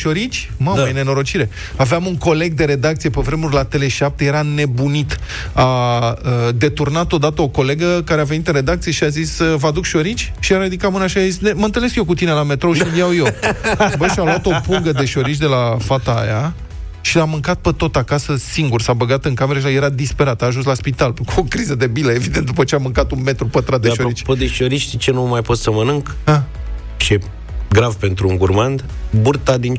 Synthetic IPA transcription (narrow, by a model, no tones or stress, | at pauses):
ʃo̞ɾit͡ʃʲ | mammejene̞no̞ɾo̞t͡ʃiɾe̞ | aveamuŋko̞le̞ɡ̚d̪e̞ɾe̞d̪ak̚t̪sijepevɾe̞murʲlat̪e̞le̞ʃap̚t̪e̞je̞ɾane̞bunit̪ | aəd̪e̞t̪urnat̪o̞d̪at̪əo̞ko̞le̞ɡəkaɾeave̞nit̪ɨnre̞d̪ak̚t̪sie̞ʃiazisvad̪ukʃo̞ɾit͡ʃʲʃiaɾad̪ikamɨnaʃiazisneməɨnt̪əle̞skjek̬ut̪inelame̞t̪ɾoʃilijawjebəialuat̪o̞puŋɡəd̪e̞ʃo̞ɾit͡ʃd̪e̞lafat̪a̰ːja | ʃiamɨŋkat̪̚pət̪o̞t̪akasəsiŋɡursabəɡat̪ɨŋkame̞ɾeəʃ̬aje̞ɾad̪ispe̞ɾat̪aːʒuns̬laspit̪aluokɾizəd̪e̞biləevid̪ent̪d̪upət͡ʃeamɨŋkat̪unme̞t̪ɾupət̪ɾat̪̚d̪eʃooit͡ʃʲpod̪eʃoɾit͡ʃʃt̪it͡ʃe̞numajpo̞t̪səmənɨŋka | ʃie | ɡɾavpe̞nt̪ɾuuŋɡurmand̪burt̪ad̪in